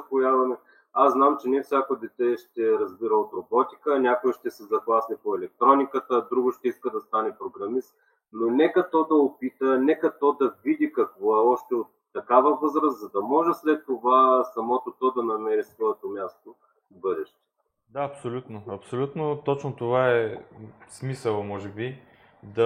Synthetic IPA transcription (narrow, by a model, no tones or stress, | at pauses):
ɐpojavɐmɛ | aznamt͡ʃɛnɛfsʲjakob̪it̪ɛʃt̪ɛɾɐzbiɾəot̪ɾobɔt̪i̥kənʲakoiʃt̪ɛsɛzɐɡlˠasnipoɛlɛk̚t̪ɾɔnikət̪əd̪ɾuɡʊʃt̪ɛiskəd̪ɐst̪anɛpɾoɡɾɐmist̪ | nonɛkɐt̪ɔd̪ɐopit̪ənɛkɐt̪ɔd̪ɐvid̪ikɐkvɔɛɔʃt̪ɛot̪ːɐkavəvɤzɾəszɐd̪ɐmɔʒɛslɛt̪ːovasɐmɔt̪ot̪ɔd̪ɐnɐmɛɾisvɔɛt̪omʲjast̪o | bɤd̪ɛʃt̪ɛ̥ | d̪aɐpsolʲut̪noɐpsolʲut̪not̪ɔt͡ʃnot̪ovaɛ | smisəlˠmɔʒɛbi | d̪ɐ